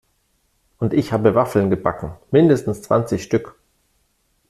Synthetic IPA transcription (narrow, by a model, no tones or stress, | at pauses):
ʔʊntɪçhaːbəvafl̩nɡəbakŋ̩mɪndəstn̩st͡sv̥a̰nt͡sɪçʃtʏk